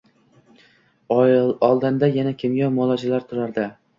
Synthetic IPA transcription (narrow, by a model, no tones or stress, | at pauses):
ɒlˠd̪ɪnd̪ajanakʲʰɪmjɒmɒlˠɒd͡ʒɪlaɾt̪ʰʊɾaɾd̪ɪ